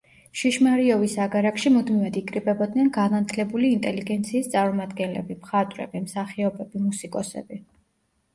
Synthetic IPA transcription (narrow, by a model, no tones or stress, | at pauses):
ʃiʃmaɾiɔvisaɡaɾakʃimud̪mivad̪ikʼɾibʼɛbɔd̪nɛnɡanat̪ʰlɛbuliːnt̪ʼɛliɡɛnt̪sʰiːst̪sʼaɾmɔmad̪ɡɛnlɛ̰bimχat̪ʼwɾɛ̰bimsaχiɔbɛbimusikʼɔsɛ̰bi